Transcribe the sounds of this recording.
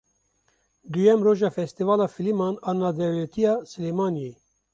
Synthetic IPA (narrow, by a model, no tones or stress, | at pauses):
d̪ujɛmroːʒɑːfɛst̪ivɑːlɑːfilimɑːnɑːnɑːd̪ɛwlɛt̪ʰijɑːsɨleːmɑːnijeː